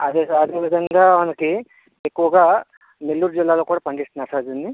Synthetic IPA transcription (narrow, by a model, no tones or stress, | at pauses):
ɐd̪eːsɐd̪eːʋid̪ʱɐŋɡaːmɐnɐki | ekːuʋɐɡaː | nelːuːɾud͡ʒilːaːloːkuːɽaːpɐɳɖist̪unaːɾsaːd͡ʒuni